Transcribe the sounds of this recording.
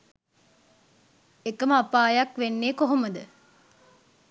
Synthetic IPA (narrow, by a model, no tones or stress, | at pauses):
ekəməapaːjɐkʋenːeːkoɦoməd̪ə